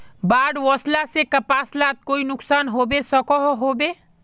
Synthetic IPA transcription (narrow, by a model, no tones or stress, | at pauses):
baɽwɔslasekəpaslat̪̚koinʊksaːnɦobesəkɔɦɦobe